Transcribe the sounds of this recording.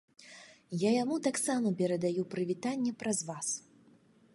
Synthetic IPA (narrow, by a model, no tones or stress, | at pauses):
jajamut̪aksamɐpʲɛɾɐd̪ajupɾɨvʲit̪anʲːɛpɾɐzvas